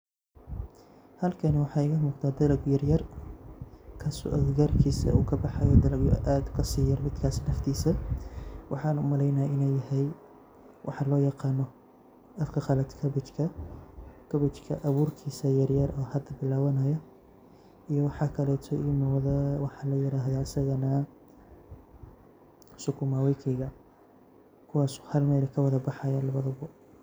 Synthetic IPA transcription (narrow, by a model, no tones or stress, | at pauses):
hɐlkʰɐnɛwɑħɑːɪɣɐmuːɡt̪ʰaːd̪ɐlɐɡjɐrjɐr | kʰɐsjɐrkʰiːsɐ̰ṵːkʰɐbɑħɑjɔd̪ɐlɐɡjʔaːd̪kʰɐsiːjɐrmɪd̪kʰaːsnɐft̪ʰiːsɐ | wʔɑ̰ħɑːnʊmɐlɛjnaːɪnɛjːɐɦɛj | wʔɑ̰ħɑlɔːjɑqɑːnɔ | ɐfkʰɐχɑlɐd̪kʰɐbɪt͡ʃkʰɐ | kʰɐβɪt͡ʃkʰɐ̰ʔɐβuːrkʰiːsɐjɐɾjɐrɔːhɐd̪ɐbɪlaːwɐnɐjɐ | ijɔwɑħɑːkʰɐlɛːt̪ʰɔʔɪmɔːðɐwɑħɑlɐjɪɾaːɦðaːsɐɣɐnɐ | sʊkʰʊmaːwɛjkʰɛjɣɐ | kʰʊwɑːsɔ̥hɐlmɛːlɛkʰɐwɐðɐbɑħɑjɐlɐβɐðɐβɔ